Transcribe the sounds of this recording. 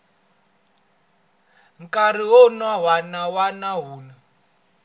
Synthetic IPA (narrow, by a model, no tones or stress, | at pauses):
ŋkʼar̤iɦɔnawanawanaɦuːna